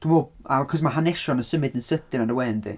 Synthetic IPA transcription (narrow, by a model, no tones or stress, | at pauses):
d̥umobakʰɔsmaɦanɛʃɔnəsəmɪdənsətɪnanəwɛːndḭ